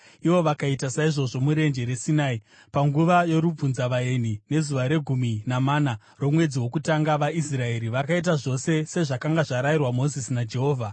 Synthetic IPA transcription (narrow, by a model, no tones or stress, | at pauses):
iʋo̞ʋakaitasaiʐo̞ʐo̞muɾe̞nd͡ʒe̞ɾe̞sinaːi | paŋɡuʋajo̞ɾub͡vunzaʋae̞nine̞zuʋaɾe̞ɡʱuminamaːna | ro̞mwe̞d͡ziwo̞kutaŋɡaʋaisrae̞ɾiʋakait̬aʐo̞se̞se̞ʐakaŋɡaʐaɾairwamo̞zisinad͡ʒe̞ɦo̞ːvʱa